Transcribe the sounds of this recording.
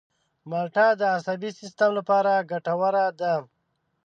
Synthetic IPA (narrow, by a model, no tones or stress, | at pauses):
malʈad̪əːsabisɪst̪amlapɑɾaɡaʈawaɾad̪a